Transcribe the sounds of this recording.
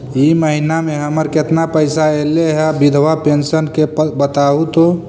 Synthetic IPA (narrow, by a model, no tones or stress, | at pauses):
iməɦinamẽɦəməɾket̪napəɪsaeleɦɛbid̪ʱʋapensənkebət̪aːut̪o